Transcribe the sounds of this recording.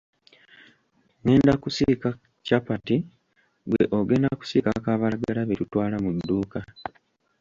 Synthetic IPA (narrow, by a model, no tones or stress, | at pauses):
ŋe̞ːndakusika | capati | bweʔoɡe̞ːndaku̥siːkakaβalaɡalaβetutwaːlamudːuːka